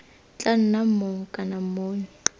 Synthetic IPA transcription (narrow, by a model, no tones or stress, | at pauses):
t͡ɬʼan̩namoŋ̩kʼanamoːn̩i